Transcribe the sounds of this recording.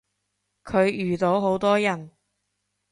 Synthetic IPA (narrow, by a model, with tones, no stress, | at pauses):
kʰɵ˨˧ɥjyː˨˩t̪o˨˥wɦo˨˧˥wt̪ɔː˥jɐ˨˩n